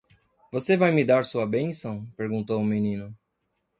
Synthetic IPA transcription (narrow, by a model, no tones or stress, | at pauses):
vosevajmɪd̪aɾsuɐbẽsɐ̃w̃peɾɡũnt̪owʊmenĩnʊ